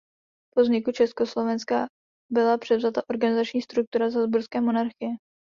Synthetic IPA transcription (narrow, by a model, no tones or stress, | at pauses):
pozɲɪkut͡ʃɛsko̞slo̞vɛnska | bɪlapr̥ɛvzat̪aʔo̞ɾɡanɪzat͡ʃɲiːst̪ɾuk̚t̪uɾazazbuɾskɛːmo̞naɾxɪjɛ